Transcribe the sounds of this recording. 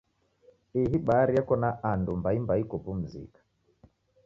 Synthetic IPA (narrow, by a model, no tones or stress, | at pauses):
iɦiɓaɾijakɔnaʔandumbaimbaikɔpum̩zḭkḁ